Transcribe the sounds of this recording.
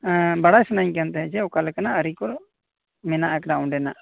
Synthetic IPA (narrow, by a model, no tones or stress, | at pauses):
bəɽaːsʊnãːĩkɛ̃ːnt̪eɛd͡ʒeokəlkənaəɾikʊl | mɪnaːɛkɖaːʊ̃ɳɖeːna̰ː